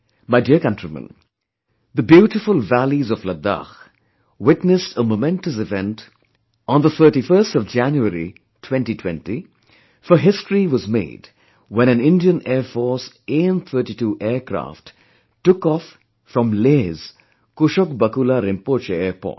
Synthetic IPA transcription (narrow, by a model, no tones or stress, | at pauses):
maɪdiəkʌ̃ntɾimə̰̃n | ðəbjuːʈɪfʊlˠvælizɔfləd̪a̰x | wɪtnɨstʰəmomɛ̃nʈəs̬ɪvɛ̃nt | ɔ̃nðət̪ʰə˞ʈifəːstɔvd͡ʒæ̃njuəɾḭ | tʰwɛ̃ntitʰw̥ɛ̰̃nti | fəɦɪstɹiwɔzmḛːd | wɛ̃ñæ̃nɪ̃ndiə̃nɛːfɔɾs | ẽnt̪ʰəːʈituʔɛːkɾa̰ːft | tːʊkɔːfː | ɾɔ̃mlez̥ | kʊʃɔkbɐkulaɾɪ̃mpoːt͡ʃəɛːpɔ̰ːt